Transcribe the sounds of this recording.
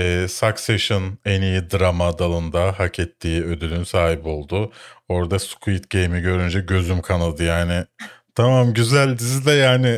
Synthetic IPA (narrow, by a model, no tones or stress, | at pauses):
ɛːsakseʃɯnenijid̪ɯɾamad̪alˠɯnd̪aɦacʰɛt̪ːiːø̞d̪ylʲynsaːɦibo̞lˠd̪ʊo̞ɾd̪askʰuit̪ɟe̞jmiɟø̞ɾynd͡ʒɛɟø̞zymkʰanad̪ɯjaːnɪt̪ʰamamɟyzælʲd̪izid̪ɛjaːnɪ